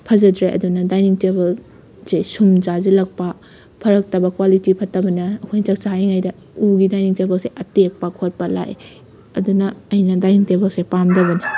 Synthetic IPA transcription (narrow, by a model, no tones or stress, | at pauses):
pʰɐzɐdɾeʔɐ̰dunɐdajniŋtebɐl | sesumzazɐlɐk̚pɐ | pʰɐɾɐk̚tɐbɐkwalitipʰɐtɐbɐnɐɐkʰojnɐt͡ʃɐk̚saɦajŋajdɐ | uɡidajniŋtebɐlseʔɐtek̚pɐkʰot̚pɐla̰j | ɐdunɐɐjnɐdajniŋtebɐlsepamdɐβɐni